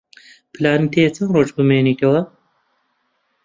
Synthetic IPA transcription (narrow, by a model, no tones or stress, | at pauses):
pɨlaːnɨt̪et͡sɐnroːd͡ʒbɨmeːnit̪ɐwɐ